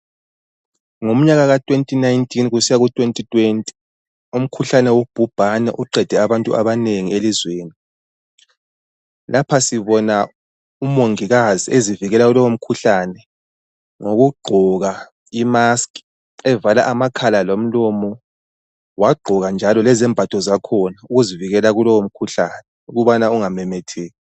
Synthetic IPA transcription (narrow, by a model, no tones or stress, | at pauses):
ŋom̩ɲaɣaɣatʼwentʼinajntʰʼinɣusijaɣutʼwentʼitʼwentʼi̥ | um̩kʰuɬanɛwob̥ʱub̥ʱanɛ̰ʔuǃɛd̥ʱɛaβantʼṵa̰βaneŋielizweːni | lapʰasiβɔna | umoŋiɣaziʔeziviɣɛlaulɔwom̩kʰuɬaːnɛ | ŋoɣuɡ͡ǃʱɔɣa | imask | ɛvalaʔamakʰalalom̩lɔmɔ | waɡ͡ǃʱɔɣand͡ʒʱalɔlɛzɛmbʱad̥ʱʼɔzakʰɔnauɣuziviɣɛlaɣulɔwom̩kʰuɬanɛuɣuβanauŋamɛmɛtʰɛːɣɛ